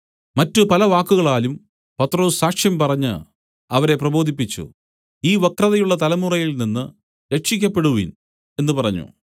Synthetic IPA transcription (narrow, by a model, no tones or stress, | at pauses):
mɐtːupɐlɐʋaːkːuɣɐɭaːlum | pɐt̪ːro̞ːssaːkʂjɐmpɐrɐɲːɨ̰ | ɐʋɐɾe̞prɐbo̞ːd̪ʱipːit͡ɕːṵ | iːʋɐkrɐðɐjuɭːɐt̪ɐlɐmurɐjilninːɨ | ɾe̞kʂik̬ʲːɐpːe̞ɽuʋḭn | e̞nːɨpɐrɐɲːṵ